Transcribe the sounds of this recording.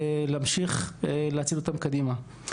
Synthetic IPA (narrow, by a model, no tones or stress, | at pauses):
lːmʃiχleat͡sidlot̪amkad̪ima